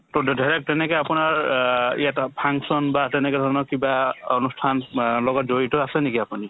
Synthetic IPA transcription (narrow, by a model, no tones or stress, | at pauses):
tɔddaɹɛk̚tɛnɛkɔapunaɹḭjatpʰaŋksɔnbatɛnɛkɛdʱɔɹɔnɔkibaɔnustʰanlɔɡɔtzoɹitɔasɛnekiapuni